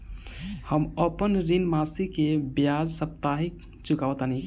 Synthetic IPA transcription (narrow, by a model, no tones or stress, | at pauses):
həməpənɾinmasikebjad͡ʒsəp̚t̪aɦik | t͡ʃukaʋət̪ani